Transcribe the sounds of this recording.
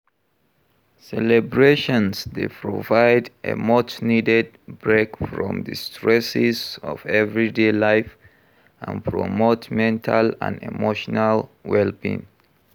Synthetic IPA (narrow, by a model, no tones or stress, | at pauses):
sɛlɛbɹeʃɔ̃nsdepʰɹovaɪdʔḛmot͡ʃnidɛd̚bɹekfɹɔ̰̃mdɨstʰɹɛsɪzɔ̰vɛvɹidelaɪf | ã̰npʰɹo̰motmɛ̃ntʰalã̰ndḭmoʃɔnalwɛlbḭ̃n